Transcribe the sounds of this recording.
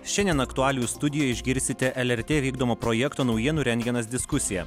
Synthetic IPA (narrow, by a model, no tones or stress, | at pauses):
ʃʲɛnʲd̪ʲiɛnɐkt̪ʊɑːlʲɪjuːst̪ʊd̪ʲɪjoːjɛɪʒʲɡʲɪɾʲsʲt̪ʲɪt̪ʲɛʔɛlʲɛɾʲt̪ʲeːʋʲiːɡd̪oːmoːpɾɔjɛkt̪oːnɒʊjiɛnʊɾʲɛnʲɡʲɛnɐsd̪ʲɪskʊsʲɪjɛ